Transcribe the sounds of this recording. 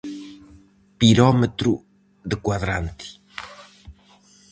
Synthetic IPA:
piɾɔmɨt̪ɾṵ | ðɨkwaðɾãnt̪ɨ̥

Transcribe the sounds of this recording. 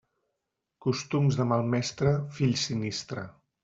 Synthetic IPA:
kust̪umzðəmalˠmɛst̪ɾəfiʎsinist̪ɾə̰

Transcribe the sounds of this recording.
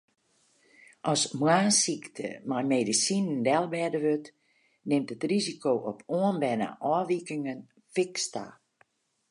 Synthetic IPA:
ʔɔsmwaːnsiktʰə̰majmeːdisinndɛlˠbɛdəʋøt | nɪmtətrizikoːʔɔpʰoənbɛna̰ʔɔːʋikɪŋən | fɪksta̰

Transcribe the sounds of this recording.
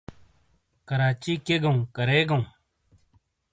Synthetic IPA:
kəɾaːt͡ʃiːkeːɡɐũːkəɾeːɡɐũː

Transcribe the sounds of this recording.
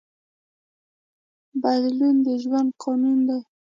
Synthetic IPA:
bad̪lund̪əʒwand̪̚qʰɑnund̪aj

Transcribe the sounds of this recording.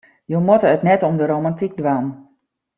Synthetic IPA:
jowmotəətnɛtɔmdəɾowmantik̚dʋan

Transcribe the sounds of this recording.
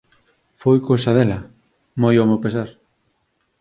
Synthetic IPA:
fojkosɐðelɐ | mojomowpesaɾ

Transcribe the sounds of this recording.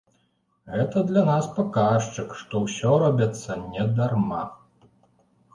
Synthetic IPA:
ɣɛt̪ɐd̪lʲanaspakaʂt͡ʂɨkʂt̪ɔwsʲɔɾɔbʲɐt̪sːɐnʲɛd̪arma

